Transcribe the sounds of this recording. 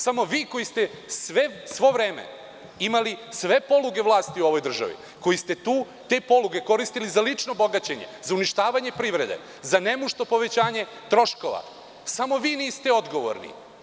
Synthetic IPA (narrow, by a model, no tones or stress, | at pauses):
samo̞ʋiːko̞jist̪e | sʋesʋo̞ʋɾeːmḛ | imalisʋe̞po̞lˠuɡe̞ʋlˠaːst̪iuo̞ʋo̞jd̪r̩ʒa̰ʋḭ | ko̞jist̪e̞t̪uː | t̪e̞ːpo̞lˠuɡe̞ko̞ɾist̪ilizalit͡ʂnobo̞ɡat͡ɕe̞ɲe̞̰zauniʃt̪aːʋaɲe̞pɾiʋɾe̞d̪e̞̰ | zane̞muʃt̪opo̞ʋe̞t͡ɕaːɲe̞ | t̪ɾo̞ʃko̞ʋa̰ | samo̞ʋiːniːst̪eo̞d̪ɡo̞ʋo̰ɾnḭ